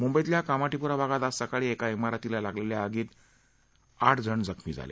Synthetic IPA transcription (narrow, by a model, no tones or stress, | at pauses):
mumbəjt̪ljakamaʈipuɾabʱaɡat̪asəkaɭiːekaimaɾat̪ilalaɡleljaːɡiːt̪ | aʈʰd͡zəɳd͡zəkʰmid͡za̰lḛ